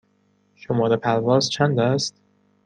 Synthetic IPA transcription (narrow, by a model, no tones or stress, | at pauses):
ʃomɒːɾepʰælvɒːst͡ʃʰænd̪æst̪̚